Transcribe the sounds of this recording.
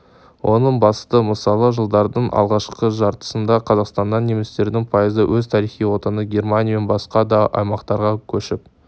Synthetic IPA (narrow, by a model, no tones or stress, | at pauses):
wʔo̞nəɴbɑst̪əməsɑlˠəʒəlˠd̪ɑɾd̪əɴʔɑ̰lˠʁɑʃqəʒɑɾt̪ə̥sənd̪ɑqʰɑzɑqst̪ɑnɑnnemest̪e̞ɾd̪ɪŋpʰɑjəzəwʔɵzt̪ʰɑɾijχijwo̞t̪ɑnəɡʲe̞rmanʲijame̞nbɑsqɑd̪ɑʔɑ̰jmɑqt̪ɑɾʁɑkʲʰɵʃɪp̚